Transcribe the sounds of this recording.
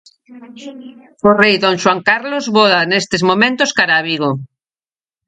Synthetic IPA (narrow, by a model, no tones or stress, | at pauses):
orejðõnʃwaŋkaɾlozβoðanest̪ezmomẽnt̪oskaɾaβiɣo